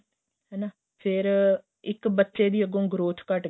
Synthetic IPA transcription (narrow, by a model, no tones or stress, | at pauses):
ɦɛːnaː | pʰɪɾ | ɪkbətːʃeːd̪iːəɡõːɡɾoːt̪ʰkəʈ